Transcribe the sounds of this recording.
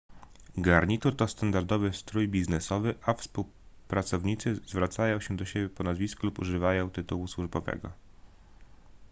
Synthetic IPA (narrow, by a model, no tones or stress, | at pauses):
ɡaɾɲit̪uɾt̪ɔst̪and̪aɾd̪ɔvɘst̪ɾujbʲiznɛsɔvɘʔafspuw | pɾat̪sɔvɲit̪sɘzvɾat̪sajɔ̃w̃ɕɛd̪ɔɕebʲjɛpɔnazvʲiskulupṵʐɘvajɔ̃w̃t̪ɘt̪uwuswuʐbɔvɛ̰ɡɔ̰